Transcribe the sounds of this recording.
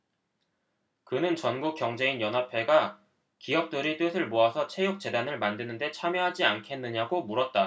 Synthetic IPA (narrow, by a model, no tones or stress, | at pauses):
kɯnɯnt͡ɕʌnɡuk͈jʌŋd͡ʑe̞injʌnɦapʰe̞ɡa | kijʌp̚t͈ɯɾit͈ɯsʰɯɭmoasʰʌt͡ɕʰe̞juk̚t͡ɕ͈e̞danɯɭmandɯnɯnde̞t͡ɕʰamjʌɦad͡ʑiankʰe̞nːɯɲaɡomuɾʌt̚t͈a